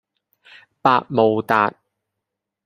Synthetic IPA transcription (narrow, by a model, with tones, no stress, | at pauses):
paː˧t̚mo˨wt̪aː˨t̚